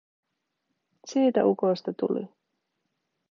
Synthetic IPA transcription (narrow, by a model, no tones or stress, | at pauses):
siːt̪æ̰ʔuko̞jst̪ɑt̪ṵlḭ